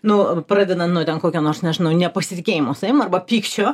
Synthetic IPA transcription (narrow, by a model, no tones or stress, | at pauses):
nʊpɾɑːd̪ʲɛd̪ɐnt̪nʊt̪ʲɛnkoːkʲonoːrsnʲɛʒʲɪnɐʊnʲɛpɐsʲɪt̪ʲɪkʲeːjɪmosɐɪmɐrbɐpʲiːkt͡ʃʲoː